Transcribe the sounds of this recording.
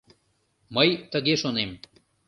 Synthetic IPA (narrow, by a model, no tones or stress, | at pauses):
mɐjt̪əɡeʃonem